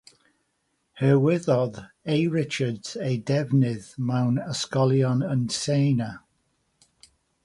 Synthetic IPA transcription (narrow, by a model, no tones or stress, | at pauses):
həwɪðɔð | ejɹɪt͡ʃədz̥ejdɛvnɪðmawnəskɔlˠjɔnənseːna